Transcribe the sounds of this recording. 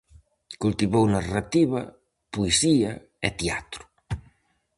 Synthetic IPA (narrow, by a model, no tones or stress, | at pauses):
kult̪iβownarat̪iβɐ | puesiɐ | et̪eat̪ɾu̥